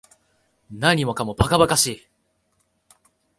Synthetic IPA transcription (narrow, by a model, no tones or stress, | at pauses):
naɲ̟imo̞kamo̞pakabakaɕiː